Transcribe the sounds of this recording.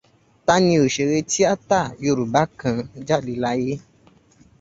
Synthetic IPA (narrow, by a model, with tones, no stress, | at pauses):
ta˦nĩ˧o˨ʃe˨ɾe˧ti˦a˦ta˦˨jo˧˨ɾu˨ba˦kʰã˧d͡ʒa˦˨li˧la˦je˦